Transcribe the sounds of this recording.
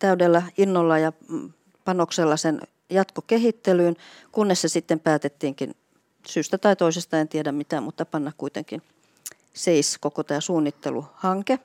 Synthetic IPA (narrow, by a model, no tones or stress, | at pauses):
t̪æydelːæinːolːɑjɑ | pɑnokselːɑsen | jɑt̪kokehit̪ːelyːn | kunːessesit̪ːempæːt̪et̪ːiːŋkḭn | syːst̪æt̪ɑit̪oisest̪ɑent̪iedæmmit̪æmmut̪ːɑpɑnːɑkkuit̪ḛŋkin | seiskokot̪æːsuːnːit̪ːḛluhɑŋke